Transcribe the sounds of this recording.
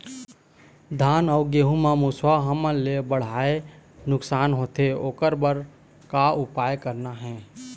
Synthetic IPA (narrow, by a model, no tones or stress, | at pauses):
d̪ʱaːnɔɡeːɦumãmuswaɦəmə̃lebəɽ̤aːenʊksaːnɦoːt̪eoːkəɾbəɾ | kaʊpaːjkəɾnaɦɛ̃ː